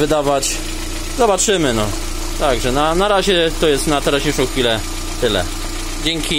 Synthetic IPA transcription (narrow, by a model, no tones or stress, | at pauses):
vɘd̪avat͡ɕ | zɔbat͡ʂɘmɘnɔ | t̪aɡʐɛnanaɾaʑɛt̪ɔjɛst̪nat̪ɛɾaɕeʂɔ̃w̃xfʲilɛ | t̪ɘlɛ̰ | d͡ʑɛŋkʲi